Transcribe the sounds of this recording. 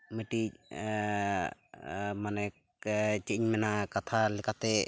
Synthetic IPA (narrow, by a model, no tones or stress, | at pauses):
məʈic̚ | manɛk | t͡ʃəiɲmɛnakat̪ʰalɛkʰat̪ɛ